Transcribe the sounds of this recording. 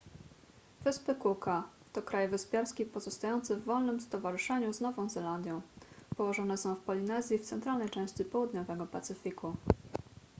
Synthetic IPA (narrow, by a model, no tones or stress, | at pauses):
v̥ɘspɘkuka | t̪ɔkɾajvɘspʲjaɾskʲipɔzɔst̪ajɔnt̪sɘvːɔlnɘmst̪ɔvaʐɘʂɛɲuznɔvɔ̃zɛland̪ʲjɔ̃w̃pɔwɔʐɔn̪ɛsɔ̃w̃fpɔlʲinɛzʲjift̪sɛnt̪ɾalnɛjt͡ʂɛ̃w̃ɕt͡ɕipɔwud̪ɲɔvɛɡɔpat̪sɘfʲikʰu